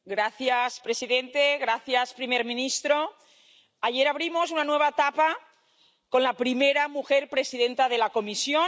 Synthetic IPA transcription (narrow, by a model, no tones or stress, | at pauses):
ɡɾaθjaspɾe̞siðe̞nt̪e̞ɣɾaθjaspɾimeɾmĩnist̪ɾo̞ | aʝe̞ɾaβ̞ɾimo̞s̬unanwe̞β̞aet̪apa | ko̞nlapɾimeɾamuxeɾpɾe̞siðe̞nt̪að̞e̞lako̞misjo̞